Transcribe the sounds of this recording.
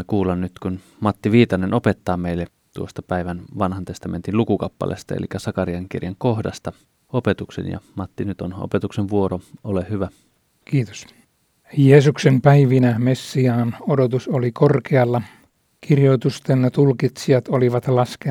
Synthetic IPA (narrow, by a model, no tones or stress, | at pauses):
ekuːlɑnnyt̪kun | mɑt̪ːiʋiːt̪ɑnenopet̪ːɑːmeˑilːe | t̪uost̪ɑpæˑiʋænʋɑnhɑnt̪est̪ɑment̪inlukukɑpːɑ̰lʔḛst̪ɑḛlikːæsɑkɑriɑŋkḭrjɑŋkohdɑst̪ɑ | opet̪uksḛnjɑ̰mɑt̪ːinyt̪ono̰pet̪ukseʋʋuoroolehyʋæ | kiːt̪o̥s | jeːsuksempæiʋinæmesːiɑːnodot̪usolikorkeɑlːɑ | kirjoit̪ust̪enːet̪ulkit̪siɑt̪oliʋɑt̪lɑske